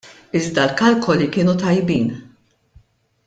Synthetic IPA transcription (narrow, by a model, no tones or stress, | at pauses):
ɪzd̪ɐlkɐlkɔlikɪːnut̪ɐjbiːn